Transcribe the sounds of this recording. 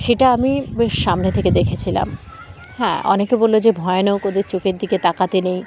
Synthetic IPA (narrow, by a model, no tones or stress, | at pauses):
ʃeʈaamibeʃːamnet̪ʰeked̪ekʰet͡ɕʰila̰m | ɦɛ̰̃ʔɔ̰nekebolːod͡ʑebʱɔeonokod̪eɾt͡ɕokeɾd̪iket̪akat̪enej